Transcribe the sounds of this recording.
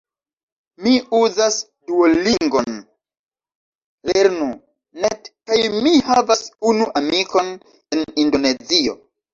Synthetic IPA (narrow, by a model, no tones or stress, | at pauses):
miuzas | duoliŋɡo̞n | le̞ɾnu | netkajmihavasunuʔamiko̞n | e̞nindo̞ne̞zio̞̰